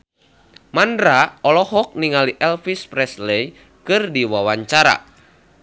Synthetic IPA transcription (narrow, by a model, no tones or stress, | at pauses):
mandɾaɔlɔhɔk̚niŋaliʔɛlfispɾɛslɛj | kɨrdiwawaɲt͡ʃaɾa̰